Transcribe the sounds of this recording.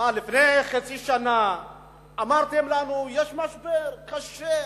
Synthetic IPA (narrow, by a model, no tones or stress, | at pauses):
alifnejχat͡siʃana | amaʁt̪emlanujeʃmaʃbeʁkaʃe